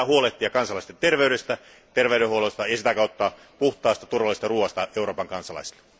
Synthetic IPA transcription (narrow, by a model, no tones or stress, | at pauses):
æhuoleht̪ːˑiɑkɑnsɑlɑˑist̪ent̪erʋeyɾest̪æ | t̪erʋeyɾehuolost̪ɑjɑsit̪ækæot̪ːɑː | puht̪ˑɑːst̪æt̪urʋɑlːˑist̪ɑruːʋɑst̪ɑeuroːpɑŋkɑnsɑlɑ̰isi̥lːe̥